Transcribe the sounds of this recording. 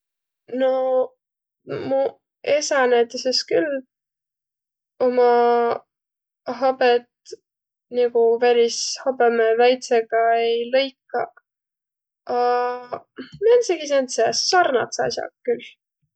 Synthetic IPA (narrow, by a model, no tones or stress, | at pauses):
no̞ | mu | esɑnæjt̪ːˑeseskyl | omɑ | ɦɑbet̪ | niɡ̥uvæɾishɑbemevæjt̪seɡ̥ɑejlɤ̞jkːɑ | ɑ | menseɡisent̪sesɑrnɑ̰t̪sɑ̰sʲjɑ̰k̚kyl